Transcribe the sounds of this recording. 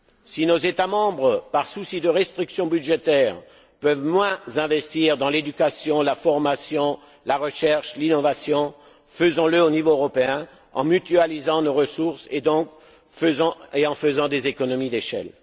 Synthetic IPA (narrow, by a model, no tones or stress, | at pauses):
sinozet̪amɑ̃bʁəpaʁsusid̪əʁɛst̪χiksjɔ̃byʒet̪ɛːʁ | pœvmwɛ̃zɛ̃vɛst̪iʁd̪ɑ̃led̪ykasjɔ̃lafɔʁmasjɔ̃ | laʁəʃɛʁʃlinɔvasjɔ̃ | fəzɔ̃ləonivoøʁɔpeɛ̃ | ɑ̰̃myt̪yalizɑ̃noʁəsuʁsed̪ɔ̃k | fəzɑ̃eɑ̃fəzɑ̃d̪ezekɔnɔmid̪eʃɛ̰l